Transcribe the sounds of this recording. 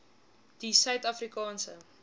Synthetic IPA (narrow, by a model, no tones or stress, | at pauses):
d̥isœɥtɐfrikɑːnsə